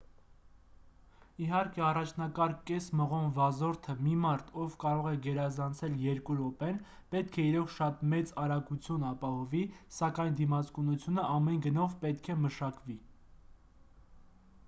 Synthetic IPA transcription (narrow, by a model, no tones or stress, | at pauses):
iɦɑɾkɛɑrɑt͡ʃʰnɑkɑɾkɛsməʁɔnvɑzɔɾt̪ʰəmimɑɾt̪ʰɔvkɑɾɔʁɛɡɛɾɑzɑnt͡sʰɛljɛɾkuɾɔpɛn | pɛt̪̚kʰɛiɾɔʁʃɑt̪mɛt͡sɑɾɑkut͡sʰjunɑpɑhɔvisɑkɑjnd̪imɑt͡skunut͡sʰjunəɑmɛnɡənɔvpɛt̪kʰɛməʃɑkvi